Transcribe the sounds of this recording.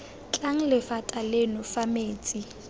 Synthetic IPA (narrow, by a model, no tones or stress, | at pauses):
t͡ɬʼaŋ̩lɪfatʼalenʊfameːt͡sʼi